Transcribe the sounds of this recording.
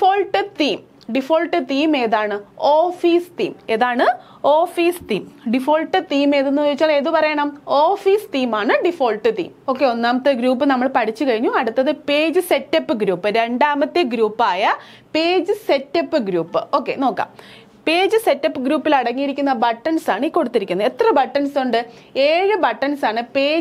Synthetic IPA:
ifoːɭʈːɨt̪iːm | ɖifo̞ːɭʈːɨt̪iːme̞ːðaːɳɨoːfiːst̪iːme̞ðaːɳɨ | o̞ːfiːst̪iːmɖifo̞ːɭʈːɨt̪iːme̞ːðenːuʋɐɾit͡ɕːaːɭe̞ːðupɐrɐjɐɳɐmoːfiːst̪iːmaːɳɨɖifo̞ːɭʈːɨt̪ḭːmo̞ːkːeo̞nːaːmɐt̪ːeɡɾuːp̬ːɨnɐmːɐɭpɐʈʰit͡ɕːukɐɻiɲːuɐɽut̪ːɐðɨpe̞ːd͡ʑɨse̞tːɐpːɨɡɾuːpːɨɾe̞ɳɖaːmɐt̪ːɨɡɾuːpːaːjɐ | pe̞ːd͡ʑɨse̞tːɐpːɨɡɾuːpːɨo̞ːkːe̞̰no̞ːkːa̰ːm | pe̞ːd͡ʑɨse̞tːɐpːɨɡɾuːpːilɐɽɐŋːijiɾikʲːunːɐbɐʈːɐnsaːɳɨiːkːo̞ɽut̪ːiɾikʲːunːɐe̞t̪rɐbɐʈːɐnsuɳɖɨ | eːɻɨbɐʈːɐnsaːɳɨpeː

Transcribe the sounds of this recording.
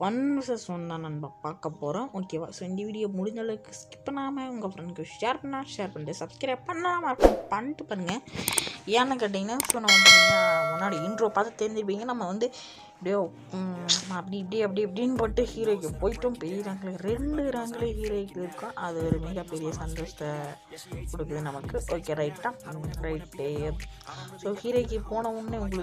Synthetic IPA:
ɐnsɐsonːaːnɐnbapaːkɐpːoːɾõʔoːkeːʋaːsoːɪnd̪ɐʋiːɽɪjoːmʊɽɪɲd̪ɐlɐɯkːɯskɪ̥pːɐnaːmɐʊŋɡɐfɾɐnkːoʃeːɾpnaːʃeːɾpɐɳɖesɐbskɾpɐɳːɐlaːmɐɾɯkːʊ̃pɐɳʈ̪ɯpaːɾɯŋɡɐ | ɛnːɐkːɐʈ̬ːɪŋɡɐnaːsɔnːɐʋɐnd̪ɯmʊnːaːɽiɪɳɖɾoːpaːt̪ɐt̪ːɛːɾɪnd̪ɪɾɯp̬ːiːŋɡɐnɐmːɐʋɐnd̪ɯ | ɪpɽijo | ɐpːɐɽipɐɽiɐp̬ːɐɽiɐp̬ːɐɽinːpɐʈːɯhiːɾokːɯpoːjɪʈːɯmpɛɾɪɾɐŋɡɐɭeɾɛɳɖɯɾɐŋɡɐɭeɦiːɾɐɪkːɪɾɯkːʊ̃ʔɐðɯʋɐɾɯmiːɣɐpɛɾɪjɐsɐnd̪oːsɐ̥t̪ɐ | kɔɽɯkːɯðɯnɐmɐkːɯʔoːkːeɾɐɪʈːãɾɐɪʈːe | soːhiːɾɐɪkːɯpoːnɐʋʊnːeʊŋɡɐɭɯ

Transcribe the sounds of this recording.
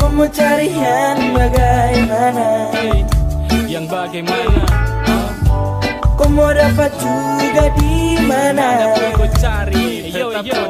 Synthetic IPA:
kɔmɔt͡ʃaɾijanbaɡaimana | kɔmɔɾapat̪uɡadimana

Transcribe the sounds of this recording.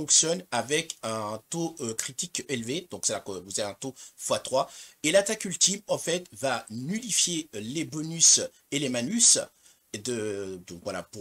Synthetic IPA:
ɔ̃ksjɔnavɛkɛ̃t̪oøkχit̪ikelved̪ɔ̃ksɛlakəvuzaeɛ̃t̪ofwat̪χwaelat̪akylt̪imɑ̃fɛt̪vanylifjelebɔnys | elemanys | d̪əd̪ɔ̃kvwala̰puʁ

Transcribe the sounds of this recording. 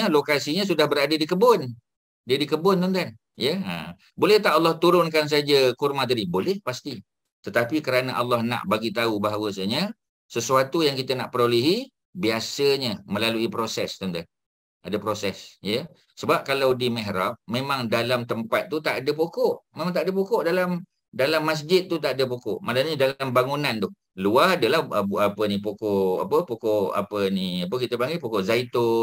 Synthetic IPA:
əlokasiɲə̃s̬udahbəɾadədikəbʊn | diədikəbʊnt̪ɔnt̪an | jəə̰ | bolɛht̪aʔalːɑht̪uɾʊnkans̬aad͡ʒakurmat̪adibolɛhpast̪i | t̪ət̪apikəɾanaʔalːɑhna̰ʔbaɡit̪aubaɦawəsəɲə | səsuat̪ujaŋkit̪ənaʔpəɾoleɦi | biasəɲəmə̃laluipɾosɛst̪ont̪an | adəpɾosɛsjə | səbap̚kalawdiməɦɾap̚memaŋdalamt̪əmpat̪̚ːut̪aʔadəp̬okoʔmemãŋt̪aʔadəp̬okɔʔdalam | dalamːas̬d͡ʒɪt̪̚ːut̪aʔadəp̬oko̰ʔmalaɲədalambaŋunant̪ʊh | luaɦadəlahaapənipokoʔʔa̰pəpokoʔa̰pəniap̬əkit̪əpaŋɡilpokoʔzait̪o

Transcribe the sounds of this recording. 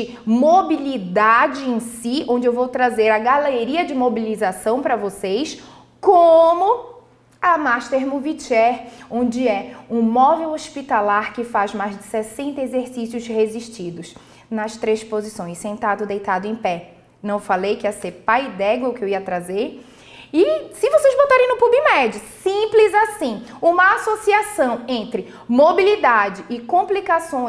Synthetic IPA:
ɪ | mobilid̪ad͡ʒɪẽsiõd͡ʒɪewvowt̪ɾazeɾɐɡaleɾiɐd͡ʒɪmobilizasɐ̃w̃pɾɐvosejs | kõmʊ | ɐmaʃt̪eɾmuvit͡ʃɛɾõnd͡ʒɪɛũmɔvewospit̪alaɾkɪfazmajzd͡ʒɪsɛsẽnt̪ɐezeɾsisijʊzheziʃt͡ʃid̪ʊs | nɐst̪ɾespozisõj̃ssẽnt̪ad̪ʊd̪ejt̪ad̪ʊẽj̃pɛ | nɐ̃w̃falejkɪɐsepajd̪ɛɡwɐwkɪewiɐt̪ɾazeɾ | ɪsɪvosejzbot̪aɾẽj̃nʊpubĩmɛd͡ʒɪsĩplɪzasĩũmɐasosiasɐ̃w̃ẽnt̪ɾɪ | mobilid̪ad͡ʒɪɪkõplikasõ

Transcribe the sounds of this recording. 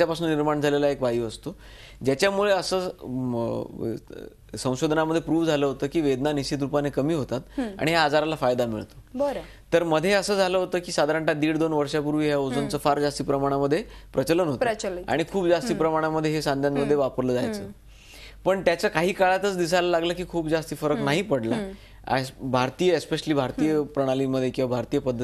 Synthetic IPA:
t͡ɕjapasuːnːiɾmaɳd͡zʱalelaekʋajuːəst̪o | d͡ʑjat͡ɕjamuɭeəsəː | sə̃w̃ɕod̪ʱənaməd̪ʱːjepɾuːʋd͡zʱaləɦot̪əːkiːʋed̪naniɕit̪̬ɾupanekəmiːɦot̪at̪a̰ɽ̃iɦjaːd͡zaɾalafajd̪amḭɭt̪o̥bəɾ | t̪əɾməd̪ʱːjeəsəːd͡zʱaləɦot̪əːkiːsad̪ʱaɾəɳʈad̪iːɽd̪onʋəɾʂjapuɾʋiːɦjaod͡zənt͡səːfaɾd͡zast̪iːpɾəmaɽ̃aməd̪ʱːjepɾət͡ɕələnɦot̪a̰ɽ̃ikʰuːpd͡zast̪iːpɾəmaɽ̃aməd̪ʱːjeɦesãnd̪ʱjanməd̪ʱjeʋapəɾləːd͡za̰jt͡səː | pəɳt̪jat͡ɕakaɦiːkaɭat̪ət͡sd̪is̬alalaɡləkiːkʰuːpd͡zast̪iːfəɾəknaɦiːpəɽla | a̰bʱaɾt̪ijəespeɕəliːbʱaɾt̪ijəpɾəɽ̃aliːməd̪ʱːjekĩw̃ʋabʱaɾt̪ijəpəd̪ʱːəi

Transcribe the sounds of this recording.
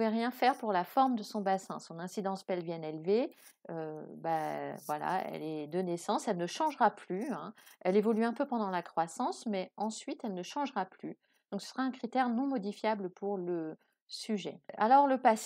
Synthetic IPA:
ɛʁjɛ̃fɛʁpuʁlafɔʁmd̪əsɔ̃basɛ̰̃sɔ̃nɛ̃sid̪ɑ̃spɛlvɛnɛlve | øbavwala̰ɛ̰lɛd̪ənɛsɑ̃sɛlnəʃɑ̃ʒʁaplyɛ̃ɛlevɔlyɛ̃pøpɑ̃d̪ɑ̃lakχwasɑ̃smɛɑ̃sɥit̪ɛlnəʃɑ̃ʒʁaply | d̪̥ɔ̃ksə̥sʁaɛ̃kχit̪ɛʁnɔ̃mɔd̪ifjabləpʰuʁlə | syʒɛ̰alɔʁləpas

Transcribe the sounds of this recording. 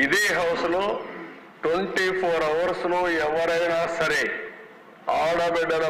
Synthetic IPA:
id̪eːɦɐwsɐlu | ʈweɳʈipʰoːɾɐʋɐɾsluɛʋɐɾɐjnasɐɾe | aːɽɐbɛɖɐɾɐ

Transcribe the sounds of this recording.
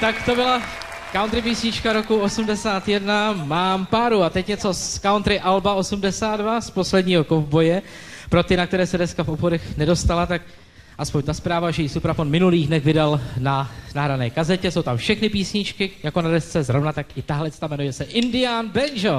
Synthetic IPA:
t̪akt̪o̞bɪla | kawnt̪ɾɪpiːsɲɪt͡ʃkaɾo̞kuo̞sumdɛsaːt̪jɛdnamaːmpaːɾuat̪ɛcɲɛt͡so̞skawnt̪ɾɪʔalbao̞sumdɛsaːt̪dvaspo̞slɛdɲiːɦo̞kovbo̞jɛ | pɾo̞t̪ɪnak̚t̪ɛɾɛːsɛdɛskafʔo̞pxodɛxnɛdo̞st̪alat̪ak̚ | ʔaspo̞ɲt̪aspɾaːvaʒɛjɪsupɾafo̞nmɪnuliːɣdnɛɣvɪdalnanaɦɾanɛːkazɛcɛso̞wt̪amfʃɛxnɪpiːsɲɪt͡ʃkɪjako̞nadɛst͡sɛzɾo̞vnat̪akʔɪt̪aɦlɛt͡st̪amɛnujɛsɛʔɪndɪaːnbɛnʒo

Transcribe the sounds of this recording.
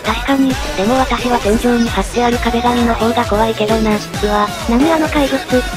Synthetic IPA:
d̪̥aikaɲʲit̪ɯ̥t̪ːe̞mo̞βat̪aɕiβasẽ̞ɲ̟d͡ʑoːɲ̟ihat̪eaɾʲɯ̟kab̪eɡaɲʲino̞ʔod̪akoβaike̞d̪onãɰɕkiβa | namʲiano̞kaiɾʲoskɯ

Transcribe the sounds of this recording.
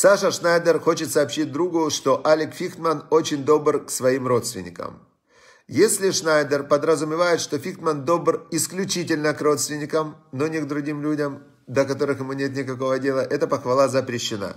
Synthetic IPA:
saʂəʂnajd̪ʲərxo̞t͡ɕɪt̪sɐːpɕit̚ʲd̪ɾuɡʊʂt̪o̞ʔalʲɪkfʲixt̪mɐno̞t͡ɕɪnʲd̪o̞brksvɐimro̞t̪st̪vʲɪ̰nʲːɪ̰kə̰m | jesʲlʲɪʂnajd̪ərpəd̪ɾəzʊmʲɪvajɪt̪ʂt̪o̞fʲixt̪mənd̪o̞brɪsklʲʉt͡ɕit̬ʲɪlʲnəkro̞t̪st̪vʲɪnʲːɪkəmno̞nʲɪɡ̚d̪ɾʊɡʲimlʲudʲəm | d̪əkɐt̪o̞ɾɨxjɪmunʲe̞t̪̬nʲɪkɐko̞vədʲe̞lˠəʔɛt̪əpəxvɐlˠazəpɾʲɪɕːɪna̰

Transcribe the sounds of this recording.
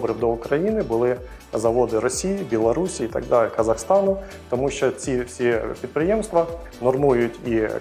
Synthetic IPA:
bɾɪwd̪ɔʊkɾɐjinɪbʊlˠɪ | zɐʋɔd̪ɪɾɔsʲijibʲilˠɔɾusʲiːt̪ɐ̰ɡ̚d̪ɑlʲkɐzɐxst̪ɑnʊ | t̪ɔmuʃt͡ʃɔt͡sʲifsʲipʲid̪̚pɾɪjemst̪ʋɐ | nɔrmujjʊtʲi

